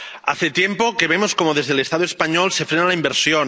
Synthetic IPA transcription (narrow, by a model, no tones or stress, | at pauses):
a̰θet̪jempokeβ̞emoskomoðezðelest̪aðoespaɲolse̞fɾenalaimbeɾsjon